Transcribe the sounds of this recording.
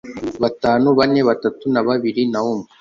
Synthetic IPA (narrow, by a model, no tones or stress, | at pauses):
βataːnuβane̞βatatunaβaβiɾinaoːmi